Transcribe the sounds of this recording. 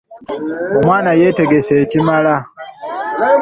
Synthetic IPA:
o̞mwaːnaje̞ːte̞ɡe̞se̞ːcimala

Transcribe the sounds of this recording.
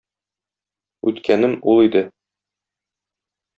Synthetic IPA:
ʉt̪kʰænɘmulˠid̪ɘ

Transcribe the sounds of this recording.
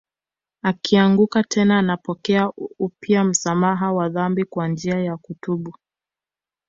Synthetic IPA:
akʰiaŋɡukatʰɛnaːnapɔkɛaupjiam̩samaɦawaðambikwand͡ʒiajakutuɓu

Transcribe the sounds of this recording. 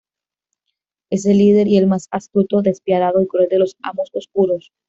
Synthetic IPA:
e̞s̬e̞lːið̞e̞ɾie̞lmasast̪ut̪o̞ðe̞spjaðaðo̞ikɾweld̪e̞lo̞sa̰mososkuɾos

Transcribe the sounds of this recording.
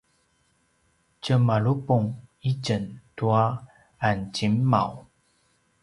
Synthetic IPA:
t͡ɕəmaɭupuŋit͡ɕəntua | ant͡ɕimːa̰w

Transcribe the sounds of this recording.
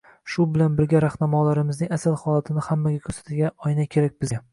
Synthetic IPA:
ʃʊbɪlanbɪɾɡʲaɾahnamɒlaɾɪmɪznɪŋʲasalˠhɒlˠat̪ʰɪnɪhamːaɡʲakʲʰɵɾsḁt̪ʰɪɡʲaɒjnakʲʰe̞ɾak̚ʲbɪz

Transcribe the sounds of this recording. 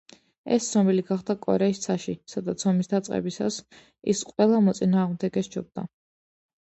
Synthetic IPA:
ɛ̰st̪sʰnɔmɛliɡaχd̪akʼɔ̰ɾɛist̪sʰaʃisad̪at̪sʰɔmisd̪at̪sʼqʼɛ̰bisa̰s | ḭsqʼwɛlˠamɔt̪sʼinaːʁmd̪ɛɡɛsd͡ʒɔb̚d̪a

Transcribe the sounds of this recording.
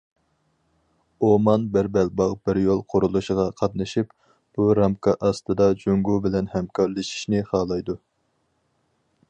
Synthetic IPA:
omɑnbɪɾbɛlbɑʁbɪɾjolˠqʰʊɾulˠuʃʁɑqʰɑt̪nɨʃip | b̥uɾɑmkʰɑʔɑst̪ɨd̪ɑd͡ʒoŋɡubɪlɛnhɛmkʰɑɾlɨʃi̥ʃnɪχɑːlˠɑjd̪u

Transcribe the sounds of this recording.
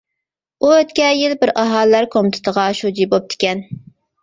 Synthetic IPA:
uøt̪kʲɛjilbɪɾɑɦɑlːæɾkʰomt̪ʰɪ̥t̪əʁɑʃud͡ʒibop̚t̪ʰɪ̥kʲɛn

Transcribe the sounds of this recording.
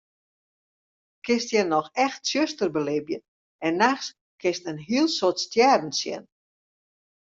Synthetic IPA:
kɪstjɛnɔxɛxtsjøstərbəlɪbjən | ɛnːaxs | kʰɪstənɦiəlˠsotstjɛdn̩sjɛ̰n

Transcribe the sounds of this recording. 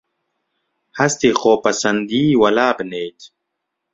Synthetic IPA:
hɐst̪eːxoːpɐsɐnd̪iːwɐlaːbɨneːt̪

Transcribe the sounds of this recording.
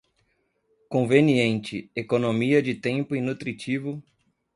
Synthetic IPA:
kõveniẽnt͡ʃɪekonõmiɐd͡ʒɪt̪ẽmpʊinut̪ɾit͡ʃivʊ

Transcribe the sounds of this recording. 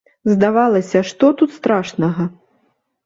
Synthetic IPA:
zd̪avalˠɐsʲɐʂt̪ɔt̪ut̪st̪ɾaʂnɐɣɐ

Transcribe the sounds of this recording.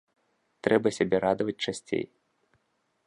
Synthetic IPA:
t̪ɾɛbɐsʲabʲɛɾad̪ɐvɐt͡s̚ʲt͡ʂasʲt͡sʲḛj

